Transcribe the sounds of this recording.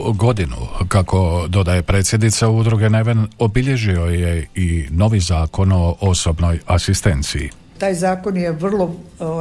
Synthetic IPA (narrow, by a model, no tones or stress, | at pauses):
ɡo̞d̪inṵkako̞d̪o̞d̪ajepɾe̞ːt̪sʲjed̪nit̪saud̪ɾuɡe̞neʋeno̞biʎe̞ʒio̞je̞ino̞ʋizaːko̞no̞ʔoso̞bno̞jasist̪e̞nt̪sḭː | t̪aːjzaːkonjeʋr̩lˠo